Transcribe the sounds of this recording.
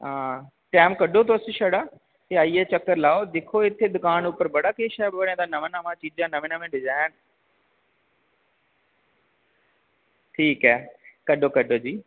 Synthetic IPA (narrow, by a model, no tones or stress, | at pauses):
ɦãː | ʈaːɪmkɐɗʱot̪ʰoːseʃɐɽaː | t̪eaiːet͡ɕɐkəɾlaːod̪ɪkʰoɪt̪ʰed̪ʊkaːnuːpəɾbɐɽakeːʃɛbɪʋɐɽ̃ẽd̪anɐʋɪnamãt͡ɕiːd͡ʒd͡ʑãnɐʋɪnamẽɖɪzaːɪn | ʈʰiːkɛːkɐɗokɐɗʱod͡ʑiː